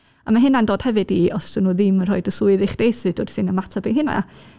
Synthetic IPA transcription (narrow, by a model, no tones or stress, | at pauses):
a̰maɦɨnandoːd̥hɛvɨdiɔstənuːðɪmr̥ɔɨdəsʊɨðɪχd̥eːsɨd̥oːd̥sɨnəmatʰabeɦɨna̰